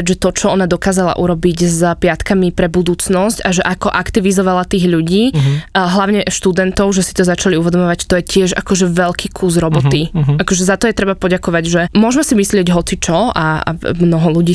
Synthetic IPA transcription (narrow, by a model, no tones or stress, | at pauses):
ʒɛt̪ɔt͡ʃɔɔnad̪ɔkaːzala̰ʔuɾɔbiɟzpɪat̪kamipɾɛbud̪uːt͡snɔscaʒɛʔakɔʔakt̪iʋizɔʋalat̪iːɣʎuɟiːɦlaʊɲɛʃt̪ud̪ɛnt̪ɔʊʒɛsi̥t̪ɔzat͡ʃaliuʋɛd̪ɔmɔʋact̪ɔjɛcɪɛʒa̰kɔʒɛʋɛʎkʰiːkʰuzɾɔbɔt̪iakɔʒɛzat̪ɔjɛt̪ɾɛbapɔɟakɔʋaɟʒɛmʊɔʒmɛsimislɪɛɟɦɔt͡sit͡ʃɔa̰a̰mnɔɦɔluɟiː